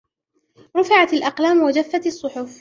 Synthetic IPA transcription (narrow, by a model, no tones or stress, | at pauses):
ɾˤʊfɪʕat̪alʔɑqlaːmwad͡ʒafːat̪ɑsˤːʊħʊf